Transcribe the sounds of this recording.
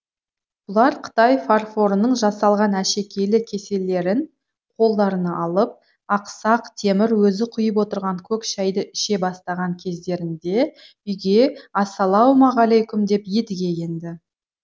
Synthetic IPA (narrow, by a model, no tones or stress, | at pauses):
b̥ʊlˠɑɾqʰə̥t̪ɑjfarfo̞ɾənəɴʒɑsɑlˠʁɑnæʃe̞kʲʰe̞lɪkʲʰe̞se̞lːe̞ɾɪn | qʰo̞lˠd̪ɑɾənɑʔɑlˠəp̚ | ɑqsɑqt̪ʰe̞mɪɾwɵzɪqʰʊjəp̬wo̞t̪əɾʁɑŋkʲʰɵkʃæjd̪əɪʃe̞bɑst̪ɑʁɑŋkʲʰe̞zd̪e̞ɾɪnd̪e̞ | ʏjɡʲe̞ɑsɑlˠɑwmɑʁɑlejkʲʊmd̪e̞pje̞d̪ɪɡʲe̞je̞nd̪ɪ